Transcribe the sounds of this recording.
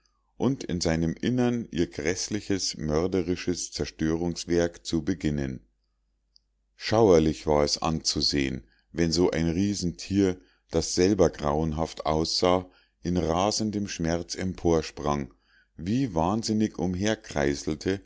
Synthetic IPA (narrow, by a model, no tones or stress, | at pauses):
ʔʊntɪ̰nzaɪnəmʔɪnɐnʔiːɐɡʁɛslɪçəsmœɐdəʁɪʃəst͡sɛɐʃtøːʁ̞ʊŋsv̥ɛɐkt͡subəɡɪnən | ʃaʊɐlɪçv̥aːɐɛsʔa̰nt͡suzḛːən | vɛnzoːʔa̰ɪnʁiːzn̩tʰiːɐ | d̥asz̥ɛlbɐɡʁaʊənɦaftʔa̰ʊsz̥aː | ʔɪnʁaːzəndəmʃmɛɐt͡sɛmpʰoːɐʃpʁ̥aŋ | viːvaːnzɪnɪçʊmɦeːɐkʁ̥a̰ɪzl̩tʰə